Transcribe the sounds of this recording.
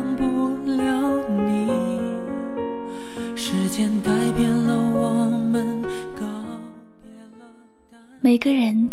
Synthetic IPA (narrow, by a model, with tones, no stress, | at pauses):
ŋpu˧ljɑ˧˥ʊni˨˩ | ʂɻ̩˧˥t͡ɕjɛ˥nt̪a˧˥˩ɪpjɛ˥nlə˧wɔ˨˩mə˧nkɑ˧ | me˨˩ɪɡə˧ɻə˧˥n